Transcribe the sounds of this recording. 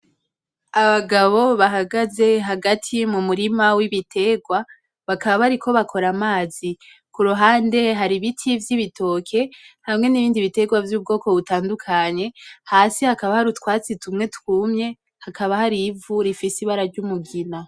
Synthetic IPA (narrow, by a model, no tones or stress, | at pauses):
aβaɡaβo̞βaɦaɡaze̞ɦaɡatʰimumuɾimawiβitʰe̞ɡwa | βakaβaβaɾikʰo̞βakʰo̞ɾamaːzi | kuɾuɦaːnde̞ɦaɾiβitʰivjiβitʰo̞kʰe̞hamŋe̞niβiːndiβite̞ɡwavjuːb̚ɡo̞ːko̞βutaːndukʰaɲe̞haːsihakaβahaɾutkwaːt͡situmŋe̞tkuːmɲe̞ | hakʰaβahaɾivuɾifisiβaɾaɾɟumuɡina